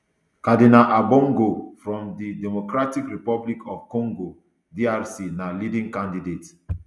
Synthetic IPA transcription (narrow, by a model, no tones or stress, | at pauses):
kadinaʔabɔ̃ŋɡofɹɔ̃mdidɛmokɹatikɹipɔblikʰɔvkɔ̃ŋɡo | diaɹsinalidĩŋkãndidet